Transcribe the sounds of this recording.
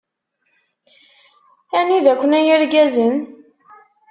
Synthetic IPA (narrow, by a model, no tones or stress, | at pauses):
æniðækʷːənæjəɾɡæzən